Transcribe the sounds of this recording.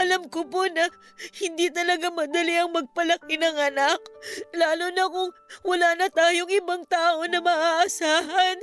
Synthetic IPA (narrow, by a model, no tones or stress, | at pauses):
ʔɐlamkoponɐ | hɪnd̪it̪ɐlɐɡamɐd̪ɐliɐŋmɐɡ̚pɐlɐkɪnɐŋʔɐnaklaːlonɐkʊŋwɐlaːnɐt̪aːjoŋʔɪbaŋt̪aːʔo̞nɐmɐʔaːʔɐsaːɦɐn